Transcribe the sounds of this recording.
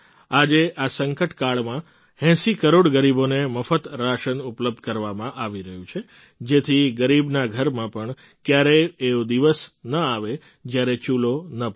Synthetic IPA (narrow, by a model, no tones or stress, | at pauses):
ad͡ʒeʔasəŋkəʈkaɭmã | hɛ̃sikəɾoɽɡəɾiboneməfət̪ɾaʃənupləb̚d̪̚ʱkəɾʋamãʔaʋiɾəɦũt͡ʃʰe | d͡ʒet̪ʰiɡəɾibnaɡʱəɾmãpəɳ | kjaɾeːod̪iʋəsnəaʋe | d͡ʒjaɾet͡ʃulonə